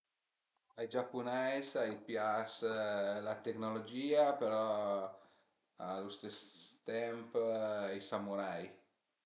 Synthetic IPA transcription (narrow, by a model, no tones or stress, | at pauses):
ajd͡ʒapːunajsajpjaslat̪eknolod͡ʒiːapeɾɔ | alust̪ɛst̪ɛmpijsamuɾaj